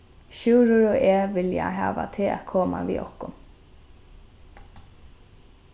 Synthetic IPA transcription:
ʃʉːɾʊɹɔːʔeːʋɪljaɦɑ̰ːʋa̰t̪ʰɪa̰t̪kʰoːma̰ʋḭːʔɔhkʊn

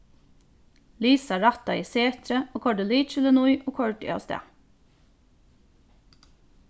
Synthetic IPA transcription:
liːsɑɹɑt̪ɑiːseːt̪ɾəoːkʰɔɖəliːt͡ʃɪlənʊʏʔoːkʰɔɹʈḭːɑ̰ːst̪ḛː

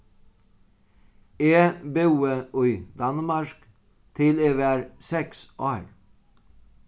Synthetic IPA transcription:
eːbʉːəʉʏd̪ɑnmɑɹk | t̪ʰɪleːʋæːɾsɛksʔoɛl

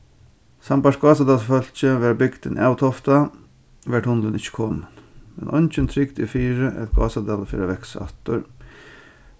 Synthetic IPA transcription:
sambaʂɡɑːsad̪ɑlfœl̥t͡ʃəʋæɾbɪɡd̪ɪnʔawt̪ʰɔft̪a | ʋɛʈhʊnlənɪçə̥kʰɔnənmɛ̰nʔɔnt͡ʃənt̪ʰɾɪɡd̪ɪfiːɾəʔɛ̰t̪ɡ̥ɑ̰ːsad̪ɑlfɪːɾaʋɛksa̰t̪ʊɾ

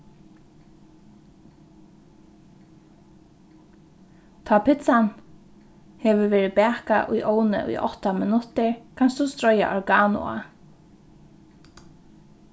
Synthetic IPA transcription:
t̪ʰaːpʰɪt̪san | hɛːʋʏɹʋeːɾɪpɛːhka̰ʔṵjʔɔːwnɪ̰ʔṵjʔɔ̰ht̪amɪnʊt̪ɪɹkʰanst̪ust̪ɾɔja̰ʔɔɹɡaːnʊ̰a̰

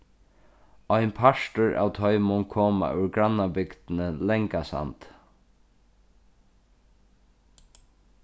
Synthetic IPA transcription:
ɔjnpʰaʂtʊɹa̰ːwt̪ʰɔʏmʊnkʰɔːma̰ʔʉɹɡɾanːabɪkt̪nəlɛŋkasa̰nt̪

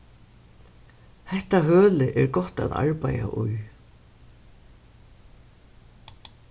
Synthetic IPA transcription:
hɛht̪aɦøːlɪʔɛɹɡɔht̪a̰ða̰ɹpaja̰ʔʊj

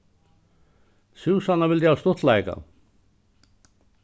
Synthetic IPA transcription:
suːsanːavɪlt̪jast̪ʊht̪lajka̰

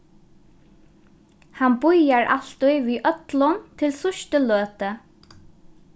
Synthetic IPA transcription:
hanbʊjaɹa̰l̥t̪ʊjʋiːʔœt̪lʊnt̪ʰɪlsʊʃt̪əløːt̪ə

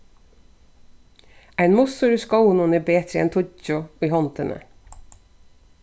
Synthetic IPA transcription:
æɪnmʊsʊɾʉskɑʊnuneːbeːt̪ɾəɛ̰nt̪ʰʊt͡ʃʊiːhɑnt̪ənʔə̰

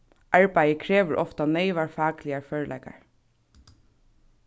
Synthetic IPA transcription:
ʔaɹpæɪəkʰɹeːʋəɹʔɔft̪aneɪʋaɹfɑːklɪaɹføːɹlɛ̰ːka̰ɹ

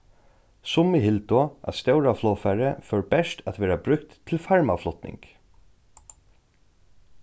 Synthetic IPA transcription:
sʊmɪɦɪlt̪ɔʔa̰ðst̪ɛwɾaflɔːfɛɾɛfœɹbɛʂt̪ʰæt̪ʋɛːɾabɾʏkt̪ʰːɪlfaɹma̰flʊt̪nɪ̰ŋk

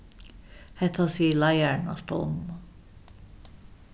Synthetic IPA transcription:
hæt̪ʰɑsiːlɑjærnɑ̰st̪o̰mːɑ

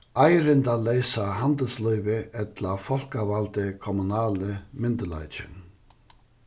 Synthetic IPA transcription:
ajɾɪnd̪alejsaɦand̪əlslœʏvəɛt̪lafɔl̥kavalt̪əkʰɔmʊnaːləmɪnd̪əla̰jt͡ʃɪ̰n

